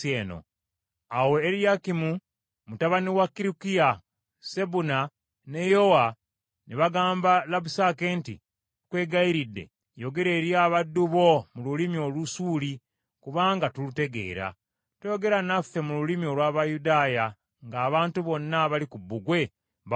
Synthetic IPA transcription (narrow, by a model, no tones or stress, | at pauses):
eːno̰ | awe̞ːɾijakimu | mutaβaniwakːiɾikija | se̞buna | ne̞jo̞wa | neβaɡaːmbalabusakentḭ | kwe̞ːɡaiɾidːe̞̰ | jo̞ɡe̞ɾe̞ːɾjaːβadːuβo̞mululimio̞ːlusuːli | kuβaːŋɡatulute̞ɡe̞̰ːɾa̰ | tejo̞ɡe̞ɾanafːe̞mululimio̞lwaːβajudaːja | ŋɡaːβaːntuβo̞nːaβalikubːuɡwe̞